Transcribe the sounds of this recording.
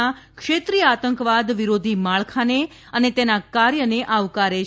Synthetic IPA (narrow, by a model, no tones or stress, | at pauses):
a | kʂet̪ɾijəat̪əŋkʋad̪ʋiɾod̪ʱimaɭkʰane | ənet̪enakaɾjəneʔaʋkaɾe